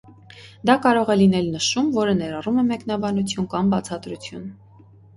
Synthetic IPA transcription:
d̪ɑkɑɾɔʁɛlinɛlnəʃumvɔɾənɛɾɑrumɛmɛknɑbɑnut͡sʰjunkɑmbɑt͡sʰɑt̪ɾut͡sʰjṵn

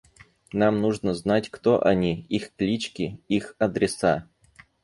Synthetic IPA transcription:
namnuʐnəznatʲkt̪oʔɐnʲiixklʲit͡ɕkʲɪixɐd̪ɾʲɪsa

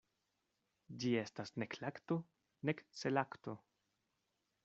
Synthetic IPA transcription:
d͡ʒie̞stasneklakto | nekt͡selakto

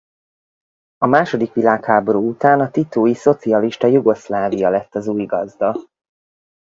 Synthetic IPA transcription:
ɒmaːʃo̞d̪ikʋilaːkhaːbo̞ɾuːut̪aːnɒt̪it̪oːjiso̞t̪siɒliʃt̪ɒjuɡo̞slaːvijɒlɛt̪ːɒzuːjɡɒzd̪ɒ

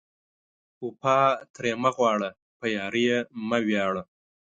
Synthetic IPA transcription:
upʰɑːt̪ʰɾeːmɐɣwɑːɽɐ | pɐjɑːɾijemɐwjɑːɽɐ

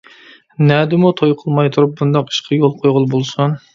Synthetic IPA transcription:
nɛd̪ɪmut̪ʰojqʰəlˠmɑjt̪ʰuɾup̚bund̪ɑqi̥ʃqʰɑjolˠqʰojʁʊlˠbolˠsun

